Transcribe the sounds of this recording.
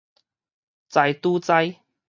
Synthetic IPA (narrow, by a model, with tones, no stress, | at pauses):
t͡sa˧jt̪uː˦t͡sa˥˧j